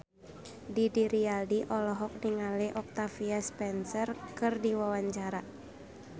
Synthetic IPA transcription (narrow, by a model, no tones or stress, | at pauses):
didiɾialdiʔɔlɔɦɔk̚niŋaleʔɔk̚t̪afiaspɛnsərkɨrdiwawaɲt͡ʃaɾa